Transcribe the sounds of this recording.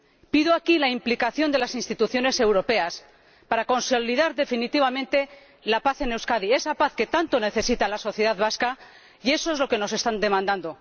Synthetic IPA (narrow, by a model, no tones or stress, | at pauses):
piðoakilaimplikaθjo̞nd̪e̞lasinst̪it̪uθjo̞ne̞se̞wɾo̞pe̞as | paɾako̞nso̞liðaɾðe̞finit̪iβ̞amẽ̞nt̪e̞ | lapaθe̞ne̞wskað̞ie̞sapaθke̞t̪ant̪o̞ne̞θe̞sit̪alaso̞θjeðaðβaska | ie̞so̞ezlo̞ke̞no̞se̞st̪and̪e̞mãnd̪and̪o̞